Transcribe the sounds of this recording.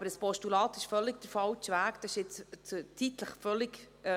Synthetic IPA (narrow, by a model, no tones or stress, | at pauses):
ɑbəɾəspɔʃtulɑːt̪ɪʃfœlːɪɡ̚d̥̪əɾfɑwtʋæːkd̥̪ɑɪʃɪt͡st͡sutʰit̪ləχfœlːɪkː